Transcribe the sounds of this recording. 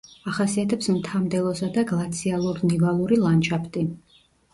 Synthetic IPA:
aχasiat̪ʰɛpsmt̪ʰamd̪ɛlˠɔsad̪aɡlˠat̪sʰialˠuɾnivalˠuɾilˠant͡ʃʰapʰt̪ʼi

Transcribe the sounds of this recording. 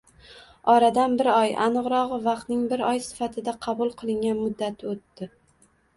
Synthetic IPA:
ɒɾad̪anbɪɾɒja̰nɨʁɾɒʁɨvɑqt̪nɪŋbɪɾɒjsɪ̥fat̪ʰɪd̪aqʰɑbʊlˠqʰɨlˠɪŋɡʲanmʊd̪ːat̪ʰɪot̪ːɪ

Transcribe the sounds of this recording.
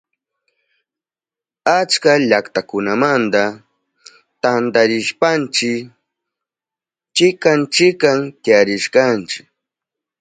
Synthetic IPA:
at͡ʃkaʎakt̪akʊnamant̪a | t̪ant̪aɾɪʃpant͡ʃɪ | t͡ʃɪkant͡ʃɪkamt̪ɪjaɾɪʃkant͡ʃɪ̥k

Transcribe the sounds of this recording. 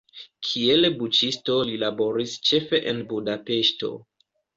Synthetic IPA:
kʰielbut͡ʃisto̞lilabo̞ɾist͡ʃe̞fe̞ʔenbudape̞ʃto̞̰

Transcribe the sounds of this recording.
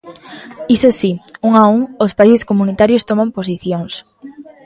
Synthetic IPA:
isosiuŋauŋospaiseskomunit̪aɾjost̪omãmposiθjoŋs

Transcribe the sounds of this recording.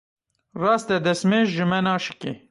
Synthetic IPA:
rɑːst̪ɛd̪ɛsmeːʒʒɨmɛnɑːʃɨ̥kḛ

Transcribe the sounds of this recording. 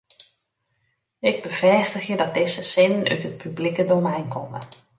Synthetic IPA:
ɪɡ̚bəv̥ɛstəxjədɔt̚dɪzəsɪnəny̰tət̚pʰyblikədowmɛjnkʰɔmə̰

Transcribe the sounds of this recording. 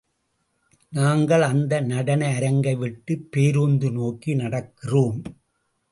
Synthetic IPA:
naːŋɡɐɭɐnd̪ɐnɐɽɐnɐɪɐɾɐŋɡɐɪʋɪʈːɯpːeːɾuːnd̪ɯnoːkinɐɽɐkːɪroːm

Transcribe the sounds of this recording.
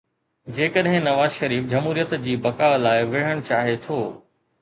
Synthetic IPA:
d͡ʑeːkəɗɦɪ̃nɐʋaːzʃɐɾiːfd͡ʑɐmɦuːɾijət̪d͡ʑiːbɐkaːlaːɪʋɪɽ̤əɽ̃t͡ɕaːɦet̪ʰoː

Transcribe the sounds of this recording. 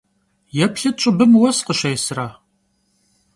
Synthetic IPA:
jɛpɬɨt͡ʃʼɨbɨmwɐsqəʃɐjsɨraː

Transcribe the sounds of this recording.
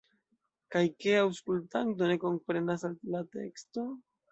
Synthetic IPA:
kajkeawskultanto̞ne̞ko̞mpɾe̞nasalilate̞̰ksto̞

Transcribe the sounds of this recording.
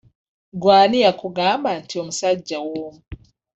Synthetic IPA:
ɡwaːnijakuɡaːmbantiomusaɟːawoːmu

